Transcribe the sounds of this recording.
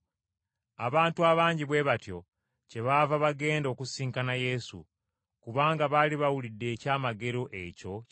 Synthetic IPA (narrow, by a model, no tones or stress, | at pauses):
a̰βaːntuaβaːɲɟiβwe̞ːβatjo̞ | ce̞βavaβaɡe̞ːndo̞ːkusiːŋkanaje̞sṵ | kuβaːŋɡaβaliβawulidːe̞ːcaːmaɡe̞ɾo̞ʔe̞co̞